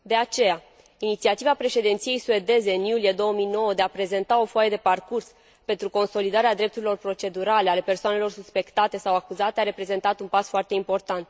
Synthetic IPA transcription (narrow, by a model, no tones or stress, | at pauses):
d̪e̞at͡ʃe̞ja | init̪siat̪ivapɾe̞ʃe̞d̪int̪sije̞jsue̞d̪e̞ze̞ɨnjulije̞d̪o̞wəmijno̞wəd̪eapɾe̞ze̞nt̪ao̞foajed̪e̞parkurs | pe̞nt̪ɾuko̞nso̞lid̪aɾead̪ɾe̞p̚t̪uɾilo̞rpɾo̞t͡ʃe̞d̪uɾale̞ale̞pe̞rsoane̞lo̞rsuspe̞kt̪at̪e̞sawakuzat̪eaɾe̞pɾe̞ze̞nt̪at̪unpasfoart̪e̞impo̞rt̪ant̪